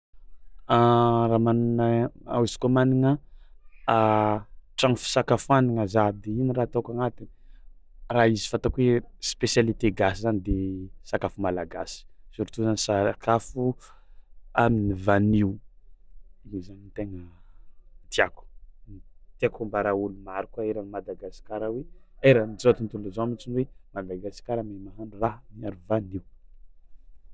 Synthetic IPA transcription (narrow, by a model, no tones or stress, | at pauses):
aɾamaninaa̰wzi̥kamaniŋə | a | ʈ͡ʂaŋfi̥sakafuaniŋazad̪einiraːt̪akaŋat̪i | raizi̥fant̪akwespesjalit̪eɡasizanid̪esakafumalaɡasi̥zuɾit̪uzanisakʰafu | aminivaniw | iɲizanint̪eŋə | t̪iaku̥nit̪iakumbaɾaulumaɾukwaeɾamad̪aɡasi̥kaɾaweaɾamid͡zoat̪unt̪uluzoamit͡ʃinwemad̪aɡasi̥kaɾamamaɦaɳɖ͡ʐuraɦmiaɾuvaniw